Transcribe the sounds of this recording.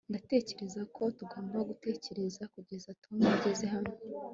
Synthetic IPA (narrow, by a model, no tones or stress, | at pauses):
ndate̞ːce̞ɾe̞zakʰo̞tuɡo̞ːmbaɡute̞ːce̞ɾe̞zakuɟezatuanaɟeze̞ɦame